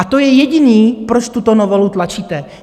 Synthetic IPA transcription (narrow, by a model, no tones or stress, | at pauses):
at̪o̞jɛjɛɟɪniːpɾo̞t͡ʃt̪ut̪onovolut̪lat͡ʃiːt̪ɛ